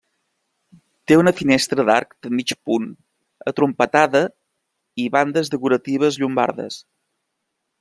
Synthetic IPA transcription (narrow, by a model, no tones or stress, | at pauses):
t̪eunəfinɛst̪ɾəd̪a̰ɾk̚d̪əmit͡ʃpun | ə̰t̪ɾumpət̪aðə | iβand̪əzðəkuɾət̪iβ̞əzʎumba̰ɾðə̰s